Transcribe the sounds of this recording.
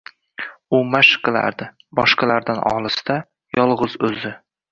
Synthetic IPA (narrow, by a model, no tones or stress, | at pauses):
ʊmaʃqɨlˠa̰ɾd̪ɪ | bɒʃqɑlaɾd̪anʔɒ̰lˠɨst̪a | jɒlˠʁɨzɵzɪ